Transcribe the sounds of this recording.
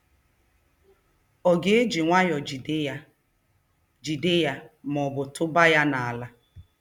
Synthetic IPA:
ɔ˨ɡe˦e˦d͡ʒi˨ŋʷa˦jɔ˨d͡ʒ | d͡ʒu˨de˦ja˨m˨ɔ˨bʊ˨tʊ˦ba˦ja˦na˨a˨la˦

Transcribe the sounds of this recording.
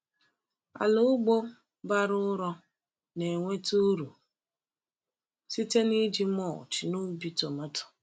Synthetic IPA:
a̰˨lʊ˦ɡ͡bo˦ | ba˦ɾʊ˦ɾɔ˦ | ne˨ŋʷe˦tu˦ɾu˨ | si˦te˦ni˦d͡ʒi˦mɔ˦˨t͡ʃnʊ˦bi˨˦to˨ma˦tʊ̥˨

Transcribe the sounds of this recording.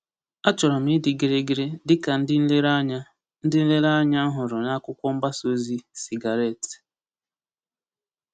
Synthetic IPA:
a˦t͡ʃɔ˨ɾɔ˨m̩˦i˦dɪ˨ɡi˨ɾe˦ɡi˦ɾe˦dɪ˦ka˨n̩˦dɪ˦n̩˦le˦ɾa˦ɲa˦ | n̩˦dɪ˦n̩˦le˦ɾa˦ɲa˦n̩˦ɦʊ˨ɾʊ˨na˦kʷʊ˦kʷɔ˦m̩˦ba˦so˦zi˦si˨ɡa˨ɾe˦˨t

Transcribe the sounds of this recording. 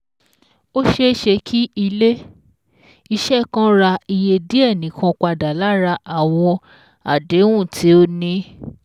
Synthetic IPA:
o˦ʃe˦ʃe˧kʰi˦i˧le˦ | i˧ʃɛ˦˨kã˦ɾa˧i˧je˧di˦ɛ˦˨nĩ˨˦kʰã˧k͡pa˧da˨la˦ɾa˧ʔa˦˨w̃ɔ̃˧ | a˨de˨˦wũ˦˨tʰi˦o˧nĩ˧

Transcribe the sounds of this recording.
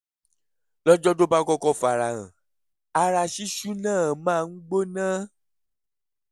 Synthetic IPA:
lɔ˦d͡ʒɔ˦do˦ba˧kɔ˧kɔ˧fa˨ɾa˨ɣã̰˨ | a˧ɾa˧ʃi˦ʃu˦nãː˦˨mãː˦˨ŋ̩˦ɡ͡bo˦nã˦

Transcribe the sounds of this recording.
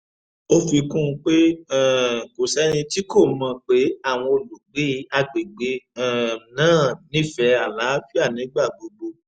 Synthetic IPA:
o˦fi˧kũ˦˧k͡pe˦ɛ˦˨ko˨sɛ˨˦nĩ˧ti˦ko˦˨mã˧k͡pe˨˦a˦˨w̃ɔ̃˧o˨lu˨ɡ͡be˨˦a˧ɡ͡be˨ɡ͡be˨˦ɛ˦˨nãː˦˨nĩ˨˦fɛ˧a˨la˨˦fi˦a˦˨nĩ˨˦ɡ͡ba˦˨ɡ͡bo˨ɡ͡bo˧

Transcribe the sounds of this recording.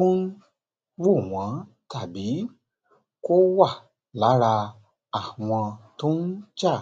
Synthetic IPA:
o˦n̩˦ | wo˦˨w̃ã˨˦ | ta˦˨bi˨˦ | ko˦wa˦˨ | la˨˦ɾa˧ | a˦˨w̃ɔ̃˧to˦n̩˦t͡ʃa˦˨

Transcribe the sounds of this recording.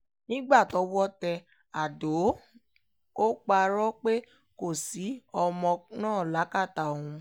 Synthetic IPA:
nĩ˦ɡ͡ba˦˨tɔ˨˦wɔ˦tɛ˧ | a˨do˨˦ | o˦k͡pa˧ɾɔ˦k͡pe˦ | ko˦˨si˨˦ɔ˧mɔ̃˧nãː˦˨la˨˦ka˦˨ta˨õ˨ũ˧

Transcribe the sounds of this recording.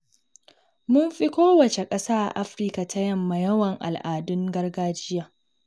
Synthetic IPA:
mʊ˦mɸi˦kʷoː˦wɐ˨t͡ʃe˨kʼɐ˦saː˦ʔʔa˦ɸɾi˦ka˨tʰa˦jɐ˦mːa˨jɐ˦wɐ˨ŋʔa̰˨lʔaː˨dʊ˦ŋɡɐ˦rɡaː˦d͡ʒɪ˦jaː˨

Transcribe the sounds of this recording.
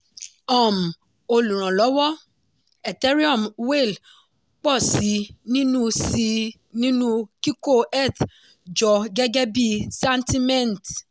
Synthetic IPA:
ɔ˨m̩˨ | o˧lũ˨ɾ̃ã˨lɔ˨˦wɔ˦ | ɛ˨tɛ˦ɾi˦ɔ˦˨mwe˦˨l | k͡pɔ˦˨si˨˦nĩ˦nũ˦si˧ | nĩ˦nũ˦ki˦ko˦ɛ˦˨t̪ | d͡ʒɔ˨ɡɛ˦ɡɛ˦bi˦sɛ˦nti˦mɛ̃˦˨n˨t

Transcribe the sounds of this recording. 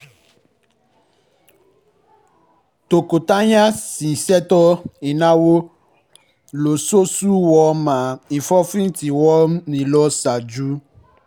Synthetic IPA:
t̪o˨ko˨t̪a˦ɲã˦sĩ˨sɛ˦t̪ɔ˦i˨nã˦wo˦ | lo˨so˦su˦wɔ˦mã˨i˨fɔ˦fĩ˦t̪i˨wɔ˦nĩ˨lɔ˦sa˨d͡ʒu˦

